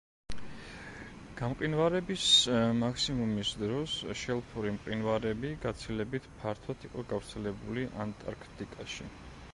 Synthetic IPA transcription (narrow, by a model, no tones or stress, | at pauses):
ɡ̥amqʼinvaɾɛbismaksimumisd̪ɾɔsʃɛlˠpʰuɾimqʼinvaɾɛbiɡat̪sʰilɛbit̪ʰpʰaɾt̪ʰwat̪ʰiqʼɔɡavɾt̪sʰɛlɛbuliʔant̪ʼa̰ɾkʰt̪ʼikʼaʃi